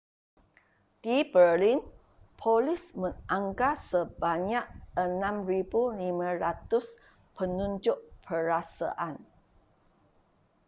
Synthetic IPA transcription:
d̥ibərlin | pʰolɪsmə̃naŋɡasəbaɲak̚ənãmribulimãɾat̪ʊs | pənũɲd͡ʒʊʔpʰəɾasa̰ʔan

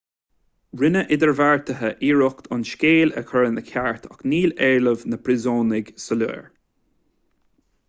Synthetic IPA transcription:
ɹɪnəʔɪd̪əɹvaɹt̪əɦəʔiːɹʊkt̪ʰʊnʃkeːlə̰kʰɔɹənəkʰaɹt̪ʰɔkniːlɛːɹləvnəpʰɾɪzoːnɪɡsəlṵːɹ

